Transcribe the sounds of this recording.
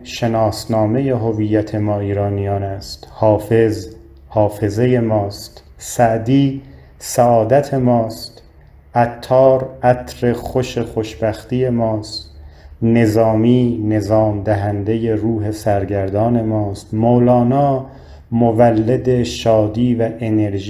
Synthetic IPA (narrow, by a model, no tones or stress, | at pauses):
ʃe̞nɒːsnɒːme̞jeɦovijːæt̪ʰe̞mɒːiːɾɒːnijɒːnæst̪hɒːfe̞z | hɒːfe̞ze̞je̞mɒːst̪ | sæʔd̪iː | sæɒːd̪æt̪ʰe̞mɒːst̪ | ʔæt̪ʰːɒːɾæt̪ʰɾe̞χoʃe̞χo̞ʃbæxt̪iːje̞mɒːst̪ne̞zɒːmiːne̞zɒːmd̪æɦænd̪e̞je̞ɾuːɦe̞sæɾɡæɾd̪ɒːne̞mɒːst̪moːlɒːnɒː | movælːed̪e̞ʃɒːd̪iːvæʔene̞ɾʒ